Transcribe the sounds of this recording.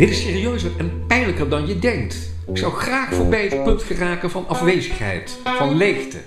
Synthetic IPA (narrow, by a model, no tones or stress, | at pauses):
d̥ɪtɪsɪːriøɥsərɛnpɛjnləkərdɑnjədɛŋk̚t | ɪksɑwχraːχfʊːɹbɛjət̚pɵntfəraːkənvɑnɑfʋejzəχɦɛ̰jt | fɑnlejχtə̰